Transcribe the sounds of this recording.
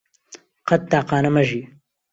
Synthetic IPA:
qɐt̪̚ːaːqɑːnɐmɐʒi

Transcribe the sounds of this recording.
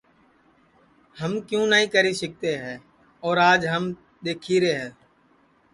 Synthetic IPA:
həmkjũːnaɦĩːkəɾiːsɪk̚t̪eːɦɛː | ɔːɾaːd͡ʒɦəm | ɗ̪eːkʰiːɾeːɦɛː

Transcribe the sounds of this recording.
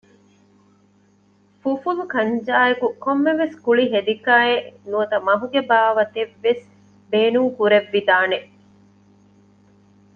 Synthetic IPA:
fufulukɐɲd͡ʒaːekukomːeʋeskuɭiɦed̪ikaːenuɐt̪ɐmɐɦuɡebaːʋɐt̪eʋːes | beːnuŋkuɾeʋːid̪aːneʔ

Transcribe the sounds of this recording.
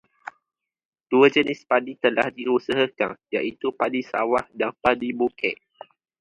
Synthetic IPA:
d̥uəd͡ʒənɪspadit̪əla̰hdiusəɦəka̰ŋjaʔit̪upadisa̰wahdaŋpadibukɛʔ

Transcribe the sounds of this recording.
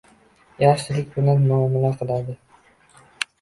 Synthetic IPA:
jat͡ʃɪlɪk̚ʲbʊnanmʊamːɪlaqʰɨlˠad̪ɪ

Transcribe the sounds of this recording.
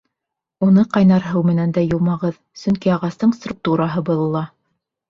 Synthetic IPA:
unɤqɑjnɑɾɦɤwmɘ̆nænd̪æjŭlˠmɑʁɤð | sɵŋkiɑʁɑst̪ɤɴst̪ruk̚t̪uɾɑɦɤbɤ̆lˠɤ̆lˠɑ

